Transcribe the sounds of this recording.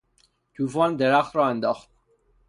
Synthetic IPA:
t̪ʰuːvɒnd̪eɾæxt̪ɾɒːend̪ɒːχt̪̚

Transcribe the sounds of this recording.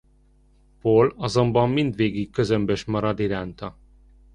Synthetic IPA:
polɒzo̞mbɒmːind̪ʋeːɡikkːø̞zømbøʃmɒɾɒd̪iɾaːnt̪ɒ

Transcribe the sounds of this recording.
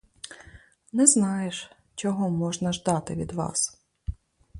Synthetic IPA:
nɛznɑjeʃ | t͡ʃɔɦɔmɔʒnɐʒd̪ɑt̪ɪʋʲid̪ʋɑ̰s

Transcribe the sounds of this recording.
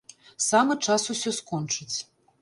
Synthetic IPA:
samɨt͡ʂasusʲɔskɔnt͡ʂɨt͡sʲ

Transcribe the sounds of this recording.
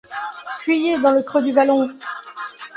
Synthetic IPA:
pɥijed̪ɑ̃ləkχød̪yvalɔ̃

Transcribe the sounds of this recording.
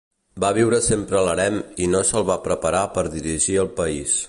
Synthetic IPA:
baβiwɾəsempɾələɾɛminosəlˠβapɾəpəɾapəɾðiɾiʒiəlˠpəis

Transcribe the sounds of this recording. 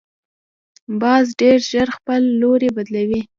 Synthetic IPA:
bɑzɖeɾʒəɾxpəlːoɾebad̪lawi

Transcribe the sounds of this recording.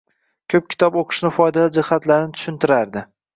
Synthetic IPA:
kʲʰɵp̚kʲʰɪ̥t̪ʰɒboqʰɨ̥ʃnɪfɒjd̪aad͡ʒɪhat̪laɾɪnɪt̪ʰʊ̥ʃɪnt̪ʰɪɾaɾd̪ɪ

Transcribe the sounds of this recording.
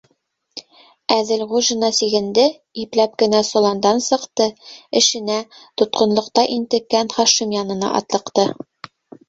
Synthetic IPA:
æðɘlʁuʒɤ̆nɑsiɡɘ̆nd̪ɘ | iplæp̚kɘ̆næsŏlˠɑnd̪ɑnsɤ̆qt̪ɤɘ̆ʃɘ̆næt̪ŏt̪qŏnlˠɤ̆qt̪ɑʔint̪ɘ̆kːænχɑʃimjɒnɤ̆nɑ̰ʔɒ̰t̪lˠɤ̆qt̪ɤ

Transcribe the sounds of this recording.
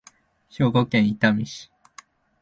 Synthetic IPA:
ɕoːɡokẽɰ̃it̪amʲiɕi̥

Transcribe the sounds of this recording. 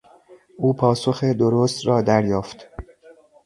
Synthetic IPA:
ʔuːpʰɒːsoxed̪oɾoːst̪ɾɒːd̪æɾjɒːft̪

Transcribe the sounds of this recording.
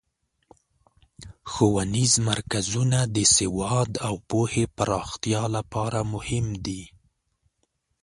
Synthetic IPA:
xowanizmaɾkazunad̪əsewɑd̪awpohepaɾɑxt̪jɑlapɑɾamʊhɪmd̪i

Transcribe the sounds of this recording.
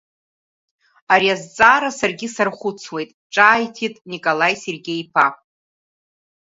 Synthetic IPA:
aɾiazt͡sʼaːɾasarɡʲisarχʷʊt͡sʰwe̞jtʼʈ͡ʂʼaːjtʰitʼnikʼolajserɡʲe̞jpʰa

